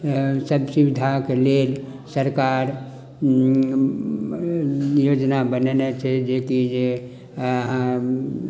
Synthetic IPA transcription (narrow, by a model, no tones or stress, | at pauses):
səbsiwɪd̪ʱakeleːl | səɾkaːɾ | joːd͡ʒnabənenet͡ʃʰed͡ʒeːkid͡ʒe | ɦ